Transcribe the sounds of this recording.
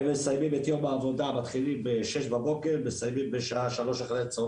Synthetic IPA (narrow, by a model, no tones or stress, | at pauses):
mesajmimet̪jo̞maːvo̞d̪amat̪χilimbeʃeʃbabo̞keʁmesajmimbeʃaaʃalo̞ʃaχlet͡so